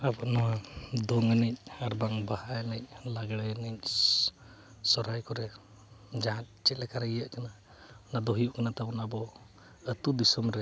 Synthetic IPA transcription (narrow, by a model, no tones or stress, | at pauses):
abɔʔnɔwad̪ɔŋənɛc̚ˀaɾbaŋbahaənəc̚ˀlaɡɽɛnɛc̚ | sɔɾajkɔɾɛ | d͡ʒaɦãt̪̚t͡ʃɛlɛkaɾaijəʔkana | nad̪ɔɦijuʔkanat̪abɔnabɔ | ət̪ud̪isɔmɾɛ